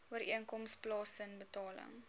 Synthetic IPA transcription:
uəɾʔiənkɔmsplɑːsənbətɑːlə̰ŋ

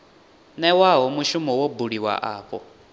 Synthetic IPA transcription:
nɛwaɦɔmuʃumɔwɔbuɺiwa̰ʔaːɸɔ̰

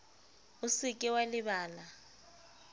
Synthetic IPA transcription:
ʊsikʼɪwalɪβaːla

